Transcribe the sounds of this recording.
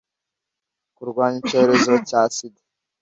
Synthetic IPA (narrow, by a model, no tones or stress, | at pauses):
kuɾɡwaːɲice̞ːɾe̞zo̞caːsidḁ